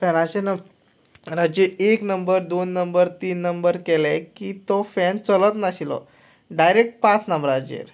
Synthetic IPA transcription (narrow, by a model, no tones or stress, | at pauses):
fɛnãɕenə | ɾad͡ʑeeknəmbəɾd̪onːəmbəɾt̪iːnːəmbəɾkɛlɛ̃kiːt̪ɔfɛnt͡sələt̪naɕilɔ̰ | ɖajɾek̚ʈ̚pãt͡snəmbɾad͡ʑḛɾ